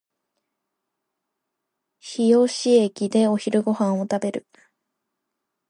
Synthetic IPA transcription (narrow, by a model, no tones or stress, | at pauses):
çijo̞ɕiekʲid̪e̞o̞çiɾɯ̟ɡo̞hãɰ̃o̞t̪abe̞ɾɯ̰